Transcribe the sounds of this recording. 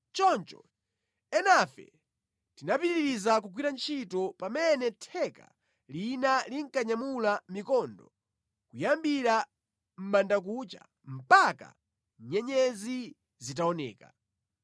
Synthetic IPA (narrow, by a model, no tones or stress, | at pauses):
t͡ʃɔnt͡ʃɔ̰ | ɛnafɛ̰ | tinapiɾɾiɾizakuɡwiɾant͡ʃʰitɔpamɛnɛtʰɛka̰ | linaliŋ̩kaɲamulamikɔndɔ | kujambiɾa | m̩mandak̬ut͡ʃa̰ | m̩paka̰ | ɲɛɲɛzi | zit̬aɔnɛ̰ːka